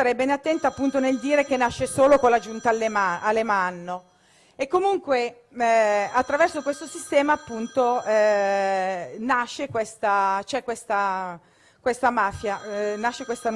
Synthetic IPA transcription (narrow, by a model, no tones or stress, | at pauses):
aɾɛbenat̪ːɛnt̪aːpːunt̪oneld̪iːɾekenːaʃːesoːlokolad͡ʒunt̪almalːemanːo | ekːomuŋkwe | at̪ːɾavɛrsokwest̪osist̪ɛːmaːpːunt̪oɛ | naʃːekwest̪at͡ʃɛkːwest̪a | kwest̪amaːfjanaʃːekwest̪an